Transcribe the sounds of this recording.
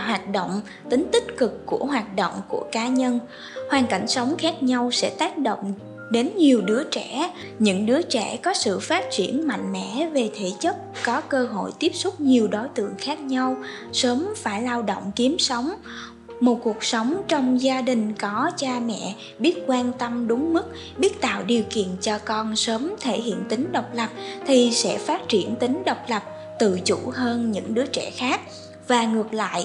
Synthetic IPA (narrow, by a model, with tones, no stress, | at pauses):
ɦwaː˨˩t̚ɗo̰˧˨wŋ͡m | t̪ï˨˦ŋ̟t̪ï˦˥t̚kɨ˨˩kːu˧˩əɦwaː˨˩t̚ɗo̰˧˨wŋ͡mku˧˩əkaː˨˦ɲə˧n | hwaː˧nka˧˩jŋ̟sə˨˦wŋ͡mxaː˦˥k̚ɲa˧wsɛ̰˧˥t̪aː˦˥k̚ɗo̰˧˨wŋ͡m | ɗe˨˦nɲi˨˩əwɗɨ˨˦ət͡ɕɛ˧˩˨ | ɲɨ̰˧˥ŋɗɨ˨˦ət͡ɕɛ˧˩kɔ˨˦sɨ̰˧˨faː˦˥t̚t͡ɕi˧˩ənma̰˧˨jŋ̟mɛ̰˧˥ve˨˩t̪ʰe˧˩t͡ɕə˦˥p̚kɔ˨˦kəː˧ɦo̰˧˨jt̪i˦˥əp̚sʊ˦˥t̚ɲi˨˩əwɗo˨˦jt̪ɨ̰˧˨əŋxaː˦˥k̚ɲa˧w | səː˨˦mfaː˧˩jlaː˧wɗo̰˧˨wŋ͡mki˨˦əmsə˨˦wŋ͡m | mo˨˩t̚ku˨˩ək̚sə˨˦wŋ͡mt͡ɕɔ˧wŋ͡mzaː˧ɗï˨˩ŋ̟kɔ˨˦t͡ɕaː˧mɛ̰˧˨ | ɓi˦˥ət̚kwaː˧nt̪ə˧mɗʊ˨˦ŋ͡mmɨ˦˥k̚ | ɓi˦˥ət̚t̪a̰ː˧˨wɗi˨˩əwkḭ˧˨ənt͡ɕɔ˧kɔ˧nsəː˨˦mt̪ʰe˧˩ɦḭ˧˨ənt̪ï˨˦ŋ̟ɗə˨˩wk͡p̚lə˨˩p̚t̪ʰi˨˩sɛ̰˧˥faː˦˥t̚t͡ɕi˧˩ənt̪ï˨˦ŋ̟ɗə˨˩wk͡p̚lə˨˩p̚ | t̪ɨ̰˧˨t͡ɕu˧˩ɦəː˧nɲɨ̰˧˥ŋɗɨ˨˦ət͡ɕɛ̰˧˩xaː˦˥k̚ | vaː˨˩ŋɨ˨˩ək̚la̰ː˧˨j